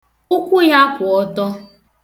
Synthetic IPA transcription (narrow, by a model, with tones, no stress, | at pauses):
ʊ˦kʷʊ˦ja˦kʷʊ˨ɔ˦dɔ˦